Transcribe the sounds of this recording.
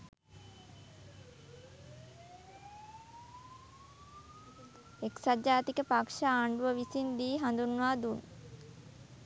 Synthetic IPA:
eksad͡ʒaːt̪ikəpakʂaaːɳɖuʋəʋisind̪iːɦand̪unːʋaːd̪un

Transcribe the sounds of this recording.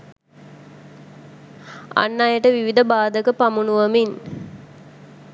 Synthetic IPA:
a̰nːajəʈəʋiʋid̪ɐbaːd̪əkəpamunuʋɐmin

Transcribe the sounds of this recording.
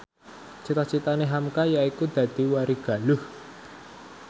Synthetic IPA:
t͡ʃit̪at͡ʃit̪aneɦamkajaikud̪̥ä̤d̪̥i̤waɾiɡ̥a̤lʊh

